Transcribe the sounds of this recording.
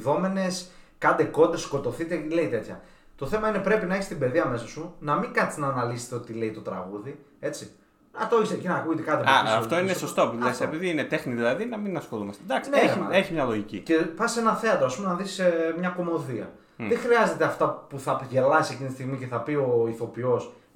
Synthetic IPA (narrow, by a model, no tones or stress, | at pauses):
ðo̞me̞ne̞skɐnd̪e̞ko̞d̪esko̞t̪o̞θit̪e̞le̞it̪e̞t̪çɐ̰ | t̪o̞θe̞mɐine̞pɾe̞pinɐeçist̪ibe̞ðiɐme̞sɐsunɐmiŋkɐt̪iznɐːnɐlise̥st̪eo̞t̪ile̞it̪o̞t̪ɾɐ̰ɣuðie̞t͡si | nɐt̪oiçsecenɐkuʝet̪ekɐt̪epasaoft̪oinesost̪opullesepiðiinet̪exniðilɐðinɐminɐsxo̞lumɐst̪ed̪ɐksneeeçimɲɐlo̞ʝicḭcepɐsse̞nɐθe̞ɐt̪ɾoɐspumenɐðismɲɐko̞mo̞ðiɐ̰ | ðexɾiɐze̞t̪e̞ɐft̪ɐpuθɐʝe̞lɐsisecint̪ist̪iɣmice̞θɐpio̞iθo̞pio̞s